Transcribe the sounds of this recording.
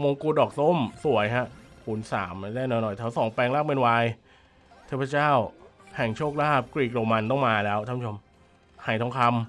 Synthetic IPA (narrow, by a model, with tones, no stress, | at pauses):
mo˧ŋkuː˧dɔː˨˩k̚so˥˩msu˨˩˦əjha˦˥ʔpuː˩˦nsa̰ː˩˦mːa˧˩daː˥˩jnɔ˨˦jnɔ˨˩jt̪ʰa˦˥˩wsɔː˩˦ŋpɛː˧ŋlaː˥˩k̚pe˧nwaː˧j | t̪ʰi˥˩pʰːt͡ɕaː˥˩whʰɛ˨˩ŋt͡ɕʰoː˥˩k̚laː˥˩p̚kɾiː˨˩k̚ɾoː˧ma˧nt̪̬ɔ˥˩ŋmaː˧lɛː˦˥wt̪ʰa˥˩mʰ˩˦t͡ɕʰo˧m | haː˩˦jt̪ʰɔ˧˦˥ŋkʰa˧m